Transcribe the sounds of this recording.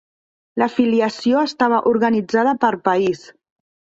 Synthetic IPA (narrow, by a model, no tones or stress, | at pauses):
ləfiliəsioəst̪aβ̞əʔuɾɣənid͡zaðəpəɾpəis